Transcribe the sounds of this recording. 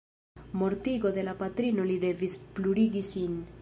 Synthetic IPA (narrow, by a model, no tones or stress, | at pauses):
mo̞ɾt̪iɡo̞d̪e̞lapat̪ɾino̞lid̪e̞vispluɾiɡisin